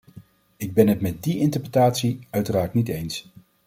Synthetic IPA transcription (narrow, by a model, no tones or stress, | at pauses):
ɪɡ̚bɛnɦɛtmɛt̚diɪntəɹprətaːtsiœɥtəraːɹtnitejns